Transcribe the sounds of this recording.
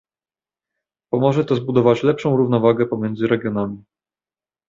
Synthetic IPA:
pɔmɔʐɛt̪ɔzbud̪ɔvat͡ɕlɛpʂɔ̃w̃ɾuvnɔvaɡɛpɔmʲjɛndzɘɾɛɡʲjɔnamʲi

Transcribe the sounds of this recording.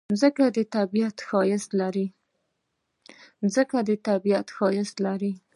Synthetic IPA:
zəkad̪ət̪abijat̪xɑjɪslaɾi | zəkad̪ət̪abijat̪xɑjɪslaɾi

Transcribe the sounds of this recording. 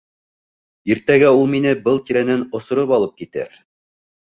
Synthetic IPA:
iɾt̪æɡæulˠminɘbɤlˠt̪iɾænɘnŏsŏɾɤpɑlˠɤp̚kit̪ɘ̰ɾ

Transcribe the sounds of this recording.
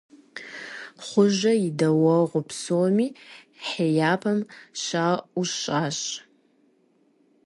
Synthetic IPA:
χʷʊʒɐidɐwɐʁʷʊpʰsoːmiː | ħeːjaːpʰɐmʃaːuʃaːɕ

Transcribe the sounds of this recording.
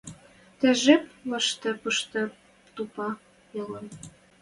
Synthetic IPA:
t̪æʒeplɤ̆ʃt̪ĕpɤʃt̪ɤ̆ | t̪upɑ | jɤ̆lɤ̆n

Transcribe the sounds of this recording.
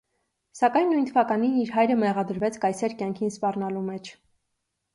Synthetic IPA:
sɑkɑjnːujnt̪ʰəvɑkɑniniɾɦɑjɾəmɛʁɑd̪əɾvɛt͡sʰkɑjsɛɾkʲjɑŋkʰinspɑrnɑlumɛt͡ʃʰ

